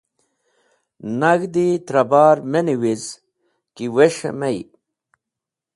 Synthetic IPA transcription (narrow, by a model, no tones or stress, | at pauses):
nɐɡd̪it̪ɾɐbaːɾmeniwiz | kiweʂḛmɐj